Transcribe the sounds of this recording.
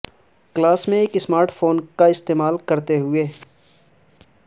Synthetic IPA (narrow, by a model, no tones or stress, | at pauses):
klaːsmẽeːkɪsmaːɾʈfoːnkaɪst̪eːmaːlkɐɾt̪eɦʊeː